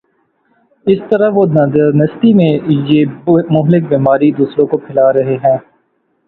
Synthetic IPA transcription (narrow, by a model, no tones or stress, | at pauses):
ɪst̪ɐɾaʋonɐd̪əɾnɐst̪imẽjeːmʊɦlɪk̚biːmaːɾid̪uːsɾõkopʰɪlaːɾɐɦeɦɛ̃ː